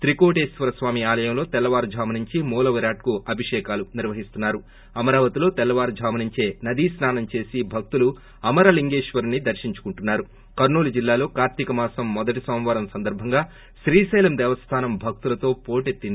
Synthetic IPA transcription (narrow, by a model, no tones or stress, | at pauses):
t̪ɾiko̞ːʈeːsʋɐɾɐsʋaːmiaːlɐjɐmlo̞ːt̪ɛlːɐʋaːɾud͡ʒʱaːmɐniɲt͡ʃimɔːlɐʋɐɾaːʈ̚kuʔɐbʱiʂɛːkaːluniɾʋɐɦist̪unːaːɾu | ɐmɐɾaːʋɐt̪ilo̞ːt̪ɛlːɐʋaːɾud͡ʒʱaːmɐniɲt͡ʃe̞ːnɐd̪isnaːnɐmt͡ʃe̞ːsibʱɐk̚t̪ulu | ɐmɐɾɐliŋɡeːʂʋɐɾnid̪ɐɾʃiɲt͡ʃu̥kuɳʈunːaːɾu | kɐɾnoːlud͡ʒilːaːlo̞ːkaːɾt̪ikɐmaːsɐmːɔd̪ɐʈ̬isɐːmʋɐːɾɐmsɐnd̪ɐɾbʱɐŋɡaː | ʃɾiːsɐjlɐmd̪ɛːʋɐst̪ʰaːnɐmbʱɐk̚t̪ulɐt̪o̞ːpo̞ːʈet̪ːind̪i